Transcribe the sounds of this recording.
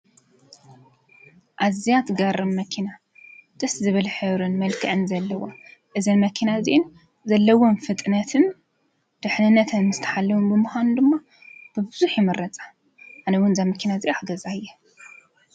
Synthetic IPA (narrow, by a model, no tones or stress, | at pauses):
ʔazijat̪ɡɐɾɨmːɐkʰina | d̪̥ɐszɨβɨlħɨβɾɨnmɐlkʰɐʕɨnzɐlːɐwaʔɨzɐnmɐkʰinaziʔɪn | zɐlːɐwonfɨt̪ʼnɐt̪ʰɨn | d̪̥ɨħnɨnːɐt̪ʰɐnmɨst̪ʰɐ̥ħalːɐwumbɨmɨxʷand̪ɨmːa | b̥ɨbɨzuħjimɐɾɐt͡sʼḁ | ʕanɐwʊnzamɐkʰinaziʔuħaɡɐzajːɛ